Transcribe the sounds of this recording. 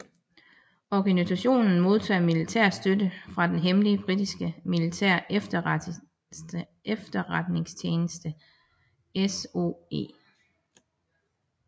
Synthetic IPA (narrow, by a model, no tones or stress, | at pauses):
ɒɡ̥ænisæɕo̝̰ːnn̩mo̝ð̞ˠt͡sʰɛ̰ːmilit͡sʰæ̰ɐ̰̥sd̥ødəfʁɑ̈d̥enɦeməliəb̥ʁid̥isɡ̥əmilit͡sʰæɐ̰efd̥ | efd̥ɐʁad̥ne̝ŋst͡ɕʰjeːnəsd̥ə | eso̝e̝̰